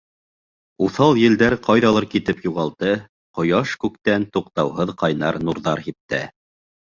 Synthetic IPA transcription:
uθɑlˠjɘ̆ld̪æɾqʰɑjðɑlˠɤɾkit̪ɘpjuʁɑlˠt̪ɤ | qŏjɑʃkʉk̚t̪ænt̪uqt̪ɑwɦɤðqɑjnɑɾnuɾðɑɾhit̪ːæ̰

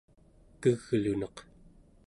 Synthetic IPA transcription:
kəɣlunʌq

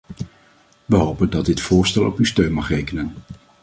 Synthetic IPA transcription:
ʋəɦowpəndɑdɪtfʊːɹstɛlˠɔ̰pystøɥnmɑχrejkənən

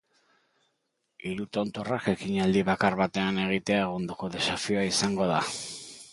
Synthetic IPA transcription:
iɾut̪o̞nt̪o̞rake̞kiɲald̪iβakarβat̪e̞ane̞ɣ̞it̪e̞aeɣ̞und̪uko̞ðe̞safioaisaŋɡo̞ð̞a

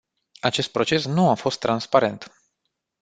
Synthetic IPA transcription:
at͡ʃe̞st̪̚pɾo̞t͡ʃe̞snuafo̞st̪ːɾanspaɾe̞nt̪

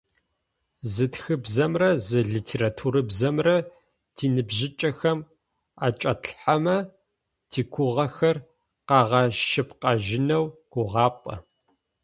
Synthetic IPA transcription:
zɨtxɨbzɐmrɐzɨɮiːtʰeːratʰuɾɨbzɐmrɐ | dʰiːnɨbʑɪt͡ʃʼɐxɐm | a̰t͡ʃʼɐtħamɐ | tʰiːkʷʰʊʁɐxɐr | qɑːʁɑʃɪpqɑʒɪnɐwɡ̥ʷʊʁɑːpʼɐ̰

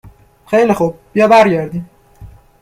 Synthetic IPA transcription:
xejlixub̥̚b̥ijɒːbæɾɟæɾd̪iːm

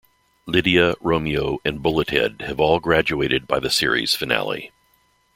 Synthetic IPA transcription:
lɪɾiɨɹoʊmioʊʔɨ̃nbʊlˠət̚hɛ̰d̚ɨvɔlˠɡɹæd͡ʒueɪɾɨd̚baɪðɨsɪ̰ɹḭz̥fɨnæ̰lˠḭ

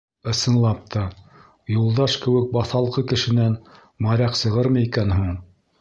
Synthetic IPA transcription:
ɤ̆sɤ̆nlˠɑp̚t̪ʰɑ | julˠd̪ɑʃkɘ̆wɘk̚bɑθɑlˠqɤkɘ̆ʃɘ̆næn | mɑɾæqsɤ̆ʁɤɾmɤ̆ikænɦuɴ

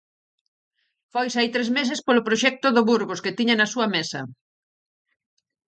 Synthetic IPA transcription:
fojsajt̪ɾezmes̬ɪspolʊpɾoʃɛk̚t̪ʊðoβuɾɣoskɪt̪iɲɐnɐsuɐmesɐ̰

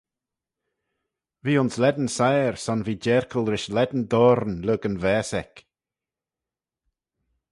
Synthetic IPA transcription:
viːʊnslɛd̪ən̩sajɹsɔnviːd͡ʒɛɹkʰəlˠɾɪʃlɛd̪nd̪ɔːɾnlʊɡənvɛːsɛk

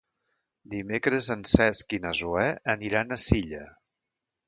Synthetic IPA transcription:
d̪imekɾəzənsɛskinəzuɛəniɾanəsiʎə

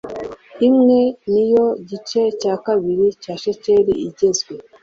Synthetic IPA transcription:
imŋe̞nijo̞ɟit͡ʃe̞caːkaβiɾicaːʃe̞ceɾiiɟe̞zɡwe

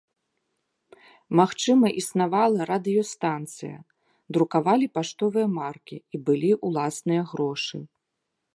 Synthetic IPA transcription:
maxt͡ʂɨmɐʔisnavalˠɐɾʔad̪ɨjɔst̪ant̪sɨjɐ̰ | d̪ɾukavalʲipaʂt̪ɔvɨjɐmarkʲiibɨlʲiʔulˠasnɨjɐɣɾɔʂɨ

